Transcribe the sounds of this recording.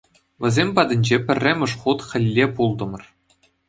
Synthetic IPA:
ʋʲɘ̆zʲemʲpɑd̪ʲɘ̆nʲd͡ʑepʲɘ̆rʲːɘ̆mʲɘ̆ʂχut̪χʲɘ̆lʲːepulˠd̪ɤ̆mɤ̆r

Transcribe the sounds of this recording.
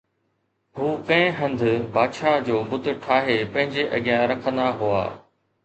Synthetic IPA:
ɦuːkɐ̃ɪ̃ɦɐ̃nd̪ʱʊbaːd̪ʃaːd͡ʑoːbʊt̪ʊ̆ʈʰaːɦepɐ̃ɦɪ̃ɲd͡ʑeʔɐɡijãɾɐkʰə̃nd̪aɦua̰ː

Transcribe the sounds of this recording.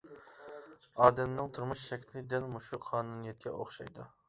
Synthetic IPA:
ɑːd̪ɛmnɨŋt̪ʰuɾmuʃʃɛkʲʰlɪd̪ɪnmuʃuqʰɑːnunijɛt̪̚kʲʰɛʔoχʃɑ̰jd̪u

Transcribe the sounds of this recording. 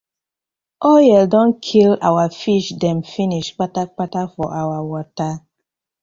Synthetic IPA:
ojɛdɔ̃n̩kʰila̰wafiʃdɛm̩finiʃk͡patak͡patafɔ̰ʔawawɔta

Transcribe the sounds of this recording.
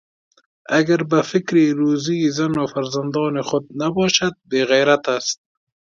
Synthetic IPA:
aɡaɾbafɪkɾiɾuːzizanafaɾzand̪ɔːnɪχʊd̪̚nabɔːʃad̪̚beɣajɾat̪ast̪̚

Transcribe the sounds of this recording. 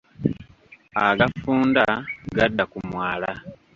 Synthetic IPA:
aɡafuːndaɡadːakumwaːla

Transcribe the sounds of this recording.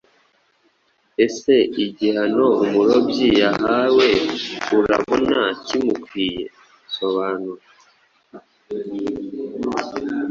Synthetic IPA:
e̞se̞iɟihano̞umuɾo̞bjijaɦawe̞uɾa̰βonacimukwiːje̞̰ | so̞βaːnuɾa

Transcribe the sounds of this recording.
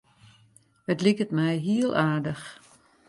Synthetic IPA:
ətlikətmɛjɦiəlˠʔaːɹdəx

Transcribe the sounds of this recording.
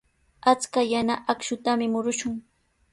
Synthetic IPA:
at͡skajanaʔakʃʊt̪amɪmʊɾʊʃʊŋ

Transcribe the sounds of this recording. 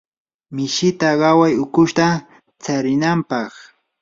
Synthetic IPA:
mɪʃɪt̪aɢɑwajʊkʊʃt̪a | t͡saɾɪnampɑχ

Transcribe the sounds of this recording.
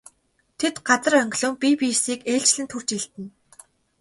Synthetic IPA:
t̪ʰet̪ɢat͡sə̆rœŋɡʲɮʊ̆ːŋpʲipʲijsiːkeːɬt͡ɕɮɘ̆nt̪ʰur̥t͡ɕiɮt̪ɘ̆n

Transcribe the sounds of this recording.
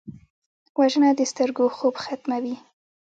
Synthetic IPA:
waʒənad̪əst̪əɾɡoxobxat̪mawi

